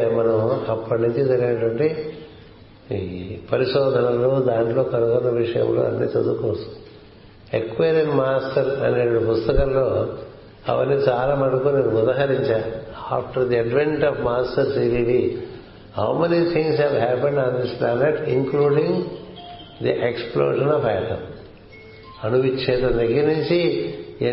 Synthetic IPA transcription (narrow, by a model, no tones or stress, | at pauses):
mɐnɐmɐpːɐʈnuɲt͡ʃid͡ʒɐɾɡinɐʈʋɐɳʈi | pɐɾiʃɔːd̪ʱɐnɐloːd̪aːɳʈlo̞ːkɐɾukɐt̪ɐʋiʂɐjɐ̰mlo̰ːɐ̰nːḭːt͡ʃɐd̪ukɔːsɐ̥m | ekːʋeːɾenmaːsʈɐɾɐ̰neːʈupust̪ɐkɐllo̞ː | ɐ̰ʋɐ̰nːit͡ʃaːlaːmɐɽukoniːuud̪aːɦɐɾiɲt͡ʃaa̰ːpʈɐɾd̪iɐɖʋeɳʈɔʋmaːsʈɐɾʈiːʋiʋi | hɐ̰wmenit̪ʰĩŋɡshɛʋɦæːpeɳɖaːnd̪isplæːneʈiŋkluːɖĩŋ | d̪iʔeksplo̰ːʒɐnɔfajʈɐm | ɐnuʋit͡ʃːeːt̪ɐneɡiniɲt͡ʃie